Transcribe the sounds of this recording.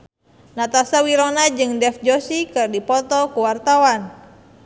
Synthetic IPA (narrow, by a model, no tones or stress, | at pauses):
nat̪asawiɾonad͡ʒɨŋdɛfd͡ʒosikɨrdipɔt̪ɔkuwart̪awan